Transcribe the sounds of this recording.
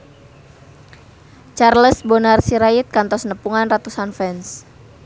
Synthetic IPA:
t͡ʃarləsbonarsiɾait̪̚kant̪ɔsnəpuŋanrat̪usanfɛns

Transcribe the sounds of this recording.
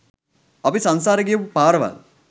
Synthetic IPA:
ɐpisansaːɾəɡijəkupaːɾəʋa̰l

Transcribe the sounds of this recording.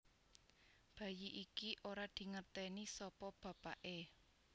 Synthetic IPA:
b̥ä̤jiʔikiʔoɾad̪̥i̤ŋərt̪ɛnisɔpɔb̥ä̤paʔe

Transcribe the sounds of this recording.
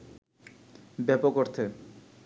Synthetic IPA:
bɛpokoɾt̪ʰe

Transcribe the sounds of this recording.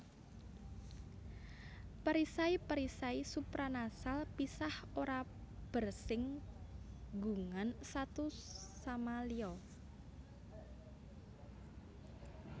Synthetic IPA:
paɾisaipaɾisaisupɾanasalpisahoɾa | b̥ə̤rsɪŋ | ɡuŋansat̪usamaliɔ

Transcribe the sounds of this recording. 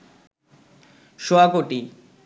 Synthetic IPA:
ʃoakoʈi

